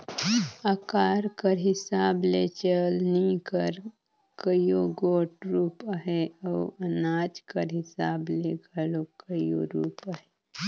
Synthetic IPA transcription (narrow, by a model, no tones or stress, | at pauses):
akaːɾkəɾɦɪsaːblet͡ʃəlnikəɾ | kəjoɡoːʈɾuːpəɦeəːɐnaːd͡ʒkəɾɦɪsaːbleɡʱəlokəjo̰ɾuːpaɦeː